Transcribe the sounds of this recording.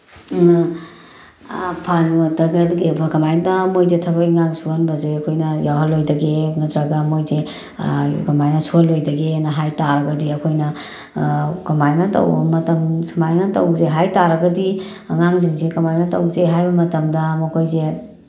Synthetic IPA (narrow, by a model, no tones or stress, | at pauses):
pʰanɐtɐɡɐtɡebɐkɐmajdɐmojzetʰɐbɐkiŋaŋsuanbɐzeɐkʰojnɐjawɦɐlojdɐɡemɐtɾɐɡɐmojze | kɐmajnɐsualːojdɐɡenɐɦajtaɾɐɡɐdiɐkʰojnɐ | kɐmajnɐtɐ̰wbɐmɐtɐmsumajnɐtɐ̰wzeɦajtaɾɐɡɐdi | ɐŋaŋziŋzekɐmajnɐtɐ̰wzeɦajbɐmɐtɐmdɐmɐkʰojze